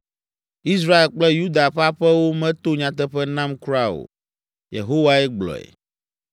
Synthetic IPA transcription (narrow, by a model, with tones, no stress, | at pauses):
i˦s̬ɾa˦e˨lk͡plɛ˦ju˦d̪a˨ɸa˦ɸɛ˦wo˦mɛ̃˦t̪o˦ɲã˨t̪̬ɛ˦ɸɛ˦nã˦mku˦ɾa˦o̰˨ | jḛ˨ɦo˦wa˦ɛ˦ɡ͡blɔ̰˨ɛ̰˨